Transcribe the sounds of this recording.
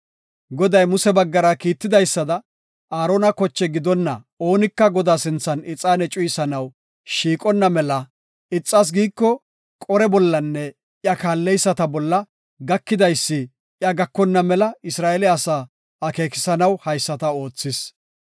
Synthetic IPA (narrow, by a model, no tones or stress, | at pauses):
ɡɔd̪ɐjmʊsɛbɐɡːɐɾɐkiːt̪ːɪd̪ɐjsːɐd̪ɐ | aːɾoːnɐkɔt͡ʃːɛɡɪd̪ɔnːɐ | oːnɪkːɐɡɔd̪aːsɪnt͡sːɐnɪt͡sʼːaːnɛt͡ʃʼʊjɪsɐnɐw | ʃiːkʼɔnːɐmɛlɐ | ɪt͡sʼːas̬ɡiːkːɔ | kʼɔɾɛbɔlːɐnːɛ | ɪjɐkaːlːɛjsːɐt̪ɐbɔlːɐ | ɡɐkːɪd̪ɐjsːɪ | jɐɡɐkːɔnːɐmɛlɐɪsɾaːɛlɪɐsaː | ɐke̞ːkɪ̥sɐnɐwhɐjsːɐt̪ɐo̞ːt͡sːɪs